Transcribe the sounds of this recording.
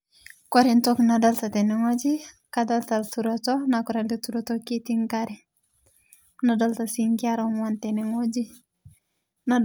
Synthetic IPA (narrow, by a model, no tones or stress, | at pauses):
koɾintoknadaltateniŋod͡ʒi | kadaltaltuɾotonakɔɾadituɾotokitiŋkaɾi | nadaltasiŋkiaɾonwanteniŋod͡ʒi | na